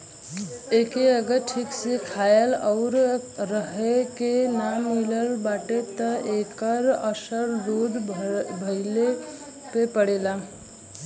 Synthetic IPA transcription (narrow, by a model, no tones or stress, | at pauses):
ekeəɡəɾʈʰiksekʰaelɔʊɾɾəɦekenamiləlbaʈet̪əekəɾəsəɾɾod̪bʱəɪle | pepəɽela